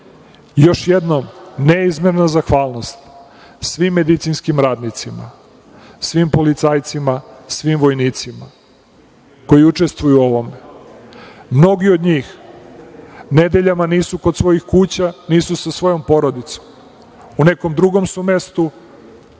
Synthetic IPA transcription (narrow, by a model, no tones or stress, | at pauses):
jo̞ʃjed̪nomneizmeɾnazaxʋaːlˠno̞st̪ | sʋimːe̞d̪it̪sinskimɾaːd̪nit̪sima̰ | sʋimpo̞lit̪saːjt̪simasʋimʋo̞jniːt̪sima | ko̞jiut͡ʂe̞st̪ʋujuo̞ʋo̞me | mno̞ɡiod̪ɲiːx | ne̞d̪eʎamaniːsuko̞d̪sʋo̞jixkuːt͡ɕaniːsusasʋo̞jo̞mpo̞ɾod̪it̪so̥m | une̞ko̞md̪ɾuɡo̞msume̞st̪u